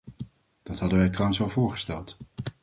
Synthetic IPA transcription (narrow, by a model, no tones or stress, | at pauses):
d̥ɑtɦɑdəʋɛjtrawənsɑlˠvʊːɹχə̥stɛlˠt